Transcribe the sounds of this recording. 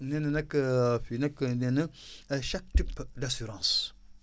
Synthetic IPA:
nenənekəfinekːənɛnəaʃak̚tipdasyɾɑ̃ːs

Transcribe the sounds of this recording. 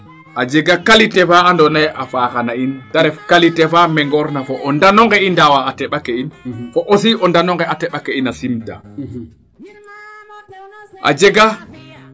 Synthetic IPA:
ʔad͡ʒɛɡakalitɛfaandɔnajafaːkanaintaɾɛkalitɛfamɛŋɡɔɾnafɔʔɔndanɔŋɡɛindawaːtɛɓakɛinfɔʔos̬iʔɔndanɔŋɡɛatɛɓakɛinasimda̰ | ʔa̰d͡ʒɛɡa

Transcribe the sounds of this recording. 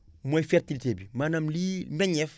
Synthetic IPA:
mojfɛɾtilitebimanɐmlimɛɲɛf

